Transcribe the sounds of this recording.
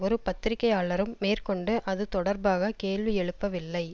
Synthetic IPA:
ɔɾɯpɐt̪ːɪɾɪkːɐjaːɭɐɾɯmːeːrkɔɳɖɯʔɐðɯt̪ɔɽɐɾbaːɣɐkeːɭʋiɛɻɯpːɐʋɪlːɐɪ

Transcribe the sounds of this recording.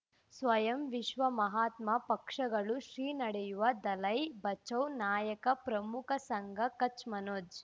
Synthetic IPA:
sʋɐjɐmʋiʃʋɐmɐɦaːt̪mɐpɐkʂɐɡɐɭuʃɾiːnɐɽɛjuʋɐd̪ɐlɐjbɐt͡ʃɐwnaːjɐkɐpɾɐmukʰɐsɐŋɡɐkɐt͡ʃmɐnoːd͡ʒ

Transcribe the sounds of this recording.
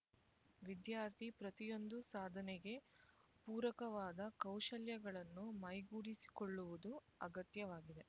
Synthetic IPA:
ʋid̪jaːɾt̪ʰipɾɐt̪ijo̞nd̪usaːd̪ʱɐnɛɡe̞puːɾɐkɐʋaːd̪ɐkɐwʃɐljɐɡɐɭɐnːumɐjɡuːɽisi̥koɭːuʋud̪u | ɐɡɐt̪jɐʋaːɡid̪e̞

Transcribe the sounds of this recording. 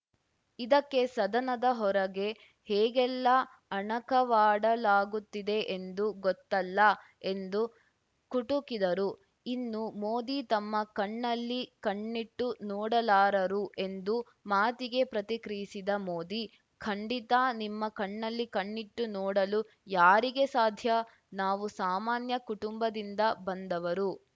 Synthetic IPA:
id̪ɐkːe̞sɐd̪ɐnɐd̪ɐɦɔɾɐɡe̞ | hɛːɡɛlːɐ | ɐɳɐkɐʋaːɽɐlaːɡut̪ːid̪e̞ʔend̪uɡɔt̪ːɐlːɐ | e̞nd̪u | kuʈukid̪ɐɾu | inːumoːd̪it̪ɐmːɐkɐɳːɐlːikɐɳːiʈːunɔːɽɐlaːɾɐɾuʔe̞nd̪u | maːt̪iɡe̞pɾɐt̪ikɾijisid̪ɐmoːd̪i | kʰɐɳɖit̪animːɐkɐɳːɐlːikɐɳːiʈːunɔːɽɐlu | jaːɾiɡe̞saːd̪ʱjɐ | naːʋusaːmaːnjɐkuʈumbɐd̪ind̪ɐbɐnd̪ɐʋɐɾu

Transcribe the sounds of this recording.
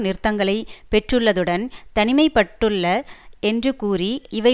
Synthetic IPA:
nɪɾɯt̪ːɐŋɡɐɭɐɪpɛʈrɯɭːɐðɯɽɐnt̪ɐnɪmɐɪpːɐʈːɯɭːɐɛndrɯkuːriɪʋɐɪ

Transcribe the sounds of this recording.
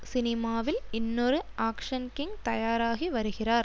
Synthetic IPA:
sɪnɪmaːʋɪlɪnːɔɾɯʔaːkʂɐnkɪŋt̪ɐjaːɾaːɣiʋɐɾɯɣɪraːɾ

